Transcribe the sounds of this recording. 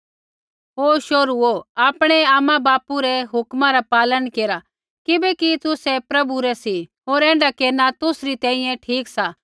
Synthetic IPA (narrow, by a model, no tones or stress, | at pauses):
ɦoːʃoːɾuoaːpɽ̃ɛaːmãbaːpuɾɛɦʊkmãɾapaːlənkeːɾa | kɪbɛkit̪ʊsɛpɾɐbuɾɛsiɦoːɾɛ̃ːɳɖakeːɾnat̪ʊsɾit̪ɛ̃ːĩjɛ̃ʈʰiːksa